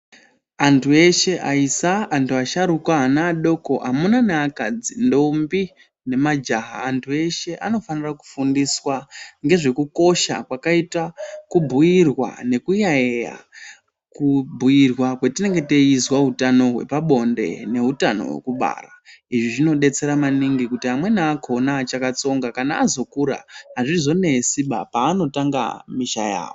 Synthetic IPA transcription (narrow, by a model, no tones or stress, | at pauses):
antʰue̞ʃe̞ʔaisaːntuaʃaɾukaːnaːɗo̞ko̞ʔamunanaakad͡zindo̞mbi | ne̞mad͡ʒaɦa̰ːntʰue̞ʃe̞ʔano̞faniraku̥fundiswaŋɡe̞ʐe̞kuko̞ʃa̰kwakaitakubʱujirwa̰ne̞kujaeja̰ | kubʱujirwakwe̞tine̞ŋɡe̞teizwautano̞ɦwe̞̰paɓo̞nde̞̰ne̞ɦutano̞̰we̞̰kuɓa̰ːraiʐiʐino̞ɗe̞t͡se̞ɾamaniŋɡikutiɦamwe̞naːkʰo̞naːt͡ʃakat͡so̞ŋɡakanaːzo̞kuɾa̰ɦaʐizo̞ne̞siɓa̰paːno̞taŋɡa̰miʃaja̰ːʋo